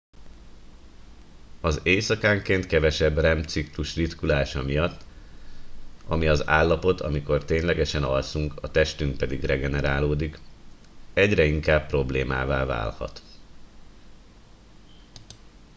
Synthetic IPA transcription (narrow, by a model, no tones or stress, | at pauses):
ɒzeːsɒkaːŋkeːnt̪kɛvɛʃɛbrɛmt̪sikluʃrit̪kulaːʃɒmijɒt̪ː | ɒmiɒzaːlːɒpo̞t̪ʰɒ̰miko̞rt̪eːɲlɛɡɛʃɛnɒlsuŋkɒt̪ɛʃt̪yŋk̚pɛd̪iɡrɛɡɛnɛɾaːloːd̪ik | ɛɟrɛiŋkaːppːro̞bleːma̰ːva̰ːva̰ːlhɒ̰t̪